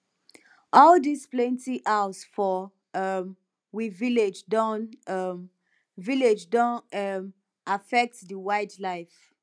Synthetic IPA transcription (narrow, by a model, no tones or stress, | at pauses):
ʔɔldisplɛ̃ntiʔaʊsfɔ | m | wiviled͡ʒdɔ̃nʌm | viled͡ʒdɔ̃nm | afɛk̚tðəwaɪdlaɪf